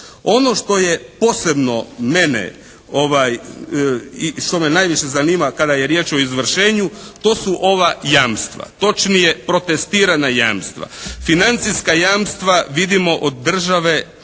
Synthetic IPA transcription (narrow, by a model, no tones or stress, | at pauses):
o̞no̞ʃt̪o̞jepo̞ːse̞bno̞me̞nḛ | o̞ʋaj | iʃt̪o̞menajʋiʃe̞zaniːmakad̪ajeɾje̞ːt͡ʃo̞izʋr̩ʃe̞ːɲut̪o̞ːsuʔo̞ʋajaːmst̪ʋa̰t̪o̞t͡ʃnijepɾo̞t̪e̞st̪iːɾanajaːmst̪ʋa̰finant̪siskajaːmst̪ʋaʋid̪imo̞ʔod̪ːr̩ʒaʋe̞